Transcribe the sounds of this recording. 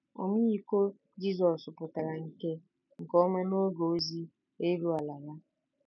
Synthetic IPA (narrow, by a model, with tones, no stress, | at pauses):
o̰˨mi˦ji˦ko˦ | d͡ʒi˦zɔ˨sʊ˨pʊ˨ta˨ɾa˨ŋ̩˦ke˦ | ŋ̩˨kɔ˦ma˦no˦ɡo˨˦zi˦ | e˦ɾu˦a˨la˨la˦